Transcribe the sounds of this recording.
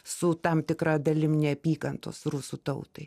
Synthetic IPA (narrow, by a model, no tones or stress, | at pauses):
sʊt̪ɐmt̪ʲɪkɾɑːd̪ɐlʲɪmnʲɛɐpʲiːkɐnt̪o̰ːsrʊsuːt̪ɐʊt̪ɐɪ